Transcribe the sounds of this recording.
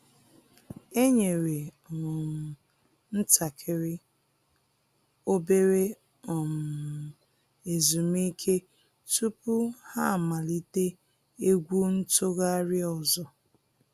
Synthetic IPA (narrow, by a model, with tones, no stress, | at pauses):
e˦ɲe˨ɾe˨ | m̩˨ | n̩˦ta˨kʰe˦ɾɪ˦ | o˦be˦ɾe˦ | ɔ˨m˨ | e˨zu˨m˦i˦kʰe˦ | tu˦pʊ˦ha˦˨ma˨li˦te˦ | e˦ɡʷu˦n̩˦tʊ˦ɣa˦ɾɪ˦ɔ˨zɔ˨